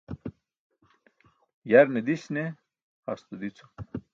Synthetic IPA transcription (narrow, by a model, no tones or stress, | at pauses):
jɐɾned̪iɕne | ha̰st̪ud̪it͡sʰo̥